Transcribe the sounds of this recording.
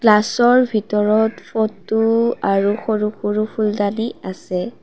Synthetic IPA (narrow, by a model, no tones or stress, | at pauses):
klasɔɹbʱitɔɹɔtfʰɔtːuaɹuxoɹuxuɹupʰuldaniasɛ